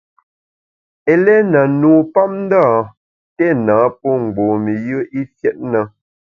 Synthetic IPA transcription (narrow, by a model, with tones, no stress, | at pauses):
e˨lɛ˦na˨nuː˨pa˦m̚n̩˦daː˦˨ | tɛ˦˨naː˨˦p̚o˦ŋ͡m̩˨ɡ͡bo˨mi˨jə˦ʔi˦fjɛ˦t̚nə˨